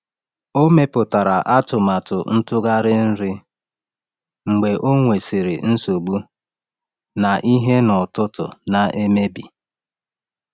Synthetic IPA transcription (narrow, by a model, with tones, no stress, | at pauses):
o˦me˦pʊ˨ta˨ɾa˨ʔa˦tʊ˨ma˨tʊ˨n̩˦tʊ˦ɡa˦ɾɪ˦n̩˦ɾɪ˦ | ŋ͡m̩˨ɡ͡be˨ʔo˦ŋʷe˨si˨ɾɪ˨n̩˦so˨ɡ͡bu˦ | na˨ʔi˦ɦe˦nʊ˨tʊ˦tʊ̰˨na˨e˦me˦bi˨